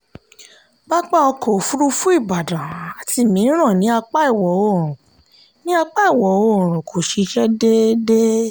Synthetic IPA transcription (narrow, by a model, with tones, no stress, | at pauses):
ɡ͡ba˦k͡pa˦˨ɔ˧ko˨fu˦ɾu˦fũ˦i˦˨ba˨dã˨a˨tʰi˧˨mĩ˨˦ɾ̃ã˦˨nĩ˨˦a˧k͡pa˦i˦˨wɔ˨˦o˦˨ɾũ˨ | nĩ˦a˧k͡pa˦i˦˨wɔ˨˦o˦˨ɾ̃ɔ̃˨kʰo˨ʃi˧ʃɛ˦de˦de˦